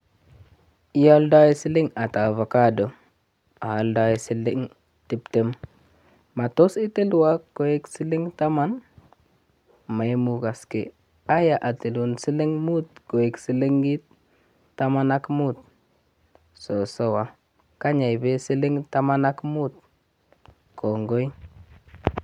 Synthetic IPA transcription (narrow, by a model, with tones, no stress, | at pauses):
i˦ja˦lda˦ji˦si˦li˦ŋa˨ta˨va˨ka˦do˨ | a˨a˨lda˦je˨si˦li˦ŋ | ti˨pte˦mː | a˨to˦si˦ti˦lwa˦ɡo˨je˦ksi˦li˦ŋta˦ma˦n | ma˨jmu˨ɡa˨skḛ˨ | a˦ja˨ʔa˨ti˨lu˨nsi˦le˦ŋmu˦t̪ko˨je˨ksi˨˦le˦ŋɡi˦t̪ː | a˦ma˦na˦kmu˦t̪̚ | so˨so˦wa˨˦ | ka˦ɲa˨jbe˦si˦li˦ŋta˦ma˦na˦kmu˦t̪̚ | kʰo˨ŋɡo˦i˦